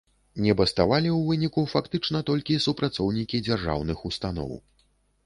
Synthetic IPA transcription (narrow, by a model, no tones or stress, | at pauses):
nʲɛbɐst̪avalʲiwvɨnʲikufakt̪ɨt͡ʂnɐt̪ɔlʲkʲisupɾat̪sɔwnʲikʲid͡zʲarʐa̰wnɨxust̪anɔ̰w